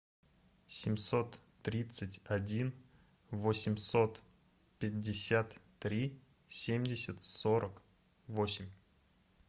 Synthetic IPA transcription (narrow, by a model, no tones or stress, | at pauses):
sʲɪmʲso̞t̪ː | ɾʲit̪sɨtʲɐdʲin | vosʲɪmʲso̞t̪ | pʲɪdʲːɪsʲat̪ː | ɾʲi | sʲemʲdʲɪsʲɪt̪so̞ɾək | vosʲɪmʲ